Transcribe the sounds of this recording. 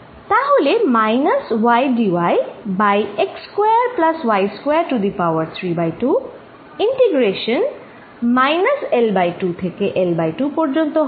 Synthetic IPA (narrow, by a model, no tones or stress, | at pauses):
t̪aɦolemajnɐswajɖiwajbajekskwejəɹplaswajskwejəɹʈud̪ipawəɹt̪ʰɹibajʈu | iɳʈeɡɹeʃɔn | majnɐselbajʈut̪ʰekeʔelbajʈupɔɹd͡ʒɔnt̪ɔɦ